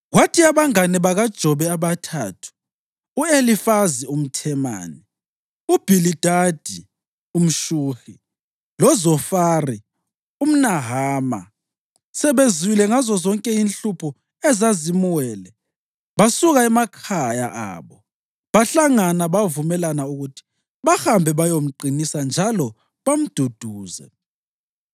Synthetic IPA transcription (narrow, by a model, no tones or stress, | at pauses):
ɣwatʰiaβaŋanɛβaɣad̥ʒ̥ʱɔβɛaβatʰa̰ːtʰu̥ː | elifazium̩tʰɛma̰ːni | ub̥ʱilid̥ʱad̥ʱi | um̩ʃuːxi | lɔzɔfaːri | um̩naɦaːma̰ | sɛβeziwilɛŋazɔzɔŋkʼɛinɬupʰɔ | ɛzazimuwɛːlɛ | βasuɣaɛmakʰaja̰ʔa̰ːβɔ | βaɬaŋanaβavumɛlanauɣutʰi̥ | βaxambʱɛβajom̩ǃʱinisand͡ʒʱalɔ | βam̩d̥ʱod̥ʱuːzɛ̰